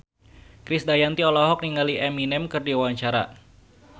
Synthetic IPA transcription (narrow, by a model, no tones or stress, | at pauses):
kɾɪsdajant̪iɔlɔɦɔk̚niŋaliʔɛminɛmkɨrdiwaɲt͡ʃaɾa̰